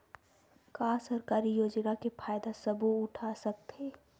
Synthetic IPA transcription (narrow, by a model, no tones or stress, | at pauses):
kaːsɐɾkaːɾijoːd͡ʒnakefʰaːjd̪asɐbuʊʈʰasɐk̚t̪ɦeː